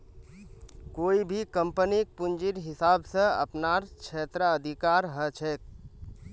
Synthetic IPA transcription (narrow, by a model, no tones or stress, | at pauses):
koibʱikəmpənik̚pund͡ʒiɾɦɪsabsə̃ə̰pnaɾkt͡ʃʰet̪ɾəəd̪ʱikaɾɦət͡ʃʰɛk̚